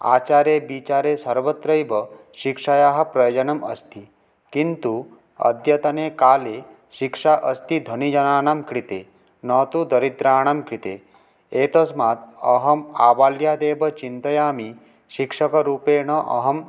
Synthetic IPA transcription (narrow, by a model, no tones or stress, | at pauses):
a̰ːt͡ʃaːɾebit͡ʃaːɾesɐɾʋət̪ɾɐjbɐ | ʃikʂajaːɦɐ̆pɾɐjɐd͡ʒɐnɐmɐ̰st̪ʰi | kint̪u | ɐ̰d̪ʱjɐt̪ɐneːkaːle | ʃikʂaʔəst̪id̪ʱɐnid͡ʒɐnaːɳamkɾit̪e | nɔːt̪ud̪ɐɾit̪ɾaːɳ̃amkɾit̪ḛː | eːt̪ɐsmaːt̪ɐɦɐmaːbaːljaːd̪eːbɐt͡ʃint̪ɐjaːmi | ʃikʂɐkɐɾuːpeːɳ̃ɐʔɐ̰ɦɐm